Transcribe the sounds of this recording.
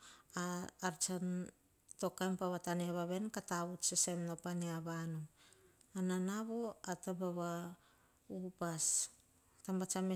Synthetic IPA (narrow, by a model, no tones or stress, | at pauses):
aːɾt͡ʃan | to̞kajmpaβataneaβaβe̞nkataβutsese̞mnapaneaβanu | ananaβo̞atapaβa | upas | tambat͡ʃame